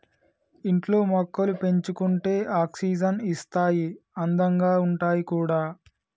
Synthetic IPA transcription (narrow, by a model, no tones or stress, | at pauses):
iɳʈlo̞ːmɔkːɐlupe̞ɲt͡ʃukuɳʈe̞ːʔaːksiːd͡ʒɐnist̪aːjiɐnd̪ɐŋɡaːuɳʈaːjikuːɽaː